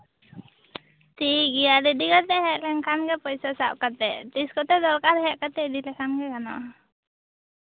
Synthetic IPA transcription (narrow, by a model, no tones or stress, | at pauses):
t̪iɡijad̪ɛdikat̪ɛɦɛʔlɛŋkamɡɛpɔjsɔsap̚kat̪ɛt̪iskɔt̪ɛd̪ɔlkaɾɦɛʔkat̪ɛd̪ilɛkamɡɛkanɔ̰